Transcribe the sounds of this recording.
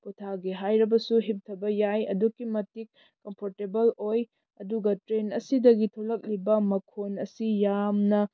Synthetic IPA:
putʰaɡeɦajɾɐbɐsuɦip̚tʰɐbɐjajɐ̰dukːimɐtik̚ː | ɐmpʰoɾtebɐloj | ɐduɡɐtɾenɐsidɐɡitʰolɐk̚libɐmɐkʰonɐsijamnɐ

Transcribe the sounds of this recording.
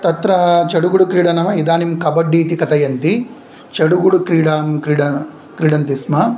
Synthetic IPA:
t̪ɐt̪ɾɐt͡ʃɐɽuɡuɽukɾiːɽɐnɐmɐid̪aːnimkɐbɐɖːiːt̪ikɐt̪ɐjɐnt̪i | t͡ʃeɽuɡuɽukɾiːɽaːmkɾiːɽɐ | kɾiːɽɐnt̪ismɐ

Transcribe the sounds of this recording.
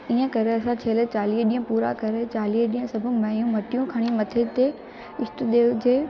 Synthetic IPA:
iːə̃kɐɾeɐsãt͡ɕʰeːlet͡ɕaːliːɦɗiːə̃puːɾa̰kɐɾet͡ɕaːliːɦɗiːə̃sɐbʱʊmɐɦijũmɐʈijũkʰɐɽ̃imɐt̪ʰet̪e | ɪst̪ʊd̪eːd͡ʑeː

